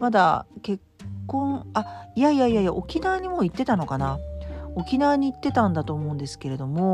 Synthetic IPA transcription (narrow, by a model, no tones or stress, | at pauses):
mad̪a̰ke̞kːõ̞ɴ̃aijaijaijajaʔo̞kʲinaːɲ̟imo̞ːit̪ːe̞t̪ano̞kanaokʲinaːɲ̟iːt̪ːe̞t̪ãnd̪at̪o̞ːmo̞ɯ̟̃nd̪e̞sɨ̥ke̞ɾe̞d̪o̞mo̞